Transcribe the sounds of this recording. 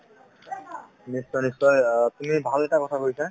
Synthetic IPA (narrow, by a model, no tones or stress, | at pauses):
nisːɔjnisːɔjtumibʱalɛtakɔtʰakoɹisa